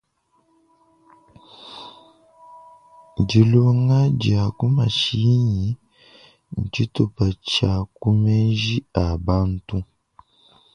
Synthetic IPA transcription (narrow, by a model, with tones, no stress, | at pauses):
ɟi˨lo˦ŋa˦ɟja˨ku˦ma˨ʃi˦ɲi˨˦ | ɲ̩˨t͡ʃi˦tu˨pa˨t͡ʃa˨ku˦me˦nʒi˦a˨ba˦n˦tu˦